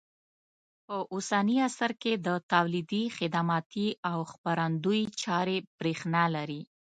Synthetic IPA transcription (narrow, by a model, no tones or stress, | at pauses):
pəʔusaniasaɾked̪ət̪awlid̪ixɪd̪amɑt̪iawxpaɾand̪ujit͡ʃɑɾeb̥ɾexnɑlaɾi